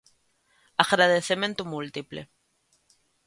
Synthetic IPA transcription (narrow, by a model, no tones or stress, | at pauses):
aɣɾaðeθement̪umult̪iplḛ